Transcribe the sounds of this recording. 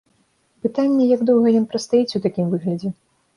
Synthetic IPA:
pɨt̪anʲːɐjaɡd̪ɔwɣɐjɔnpɾɐt̪st̪ajɛt͡sʲut̪akʲimvɨɣlʲɐd͡zʲɛ

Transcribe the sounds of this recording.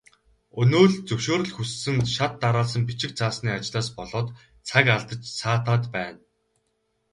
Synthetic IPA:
ɵnoːɮt͡sɵwʃoːɾɵ̆ɮxusːɘ̆ŋʃat̪ːaɾaːɮs̬ə̆mpit͡ɕɪ̆k̚t͡sʰaːsniːat͡ɕɪ̆ɮaːspɔɮɔːt̪ | t͡sʰakaɮt̪ə̆t͡ɕsaːt̪ʰaːt̪pæːn

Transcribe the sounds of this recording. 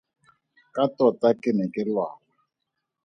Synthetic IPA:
katɔtakenɛkɛlwa̰ɔ

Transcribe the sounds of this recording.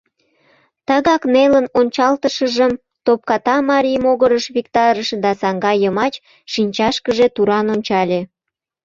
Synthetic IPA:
t̪ɑɣɑknelənont͡ɕɑlt̪əʃəʒəm | t̪op̚kɑt̪ɑmɑɾʲimoɣəɾəʃβikt̪ɑɾəʃd̪ɑsɑŋɡɑjəmɑt͡ɕ | ʃinʲt͡ɕɑʃkəʒet̪uɾɑnonʲt͡ɕɑlʲe

